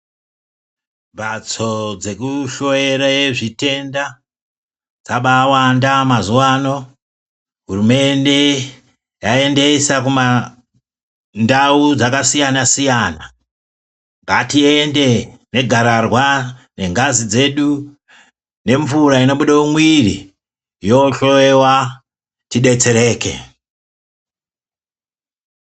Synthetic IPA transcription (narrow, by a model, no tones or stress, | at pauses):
ɓat͡so̞d͡ze̞kuʃo̞jeɾaje̞ʐite̞nda | d͡zaɓawandamazuwaːno̞ | ɦurume̞nde̞ | jae̞nde̞sakuma | ndaud͡zakasijanasijaːna | ŋɡatiende̞ne̞ɡʱaɾarwane̞ŋɡazid͡ze̞ɗu | ne̞ɱvuɾaino̞ɓuɗaumwirḭ | joɬoewa | tiɗe̞t͡se̞ɾe̞ːke̞̰